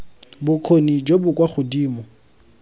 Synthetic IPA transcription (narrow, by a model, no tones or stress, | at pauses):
bʊkʰonid͡ʒobʊkʼwaχʊdiːmɔ